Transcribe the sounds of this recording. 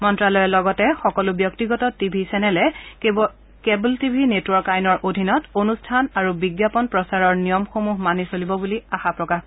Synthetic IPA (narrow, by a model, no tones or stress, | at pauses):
mɔntɹalɔjɛlɔɡɔtɛxɔkɔlubjɔktiɡɔtɔtibʱisɛnɛlɛ | kebultibʱinetwɔɹkajnɔɹʔodʱinɔtonustʰanaɹubiɡjapɔnpɹɔsaɹɔɹnijɔmxomuɦmanisolibɔbuliaxapɹɔkax